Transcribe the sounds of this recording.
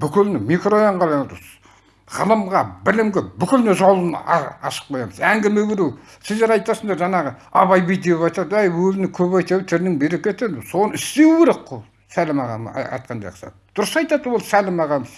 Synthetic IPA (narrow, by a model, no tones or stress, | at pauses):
b̥ʏkʲɪlnɪmikrojɑɴʁɑlˠɑnt̪s | ʁ̥əlˠəmʁɑbɪlɪmɡʲɪbʏkʲɪlneʒɑwlˠənɑ̰ʃə̥q̚qojɑməzæŋɡʲɪmeɡʲeɾuw | sɪzd̪e̞ɾɑjt̪ɑsəɴd̪ɑɾʒɑnɑʁə | ɑβɑjbijt̪̚d̪epβɑjt̪ɑd̪æjwɵzɪnɪkʲʰɵβɑjt̪ewt̪ʰɪɾnɪŋbeɾekʲet̪ed̪so̞nəɪst̪e̞weɾeqːo | sælɪmɑʁɑ̰m̰ɑ̰jt̪̚qʰɑnd̪ɑ̰jqə̥sɑ̰t̪d̪̥ʊɾəsɑjt̪ɑd̪əwo̞lˠsælɪmɑʁɑməz